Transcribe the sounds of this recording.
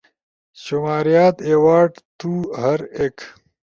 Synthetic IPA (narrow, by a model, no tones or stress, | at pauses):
ɕumaːɾijaːt̪eːwaːʈt̪uːɦɐɾeːk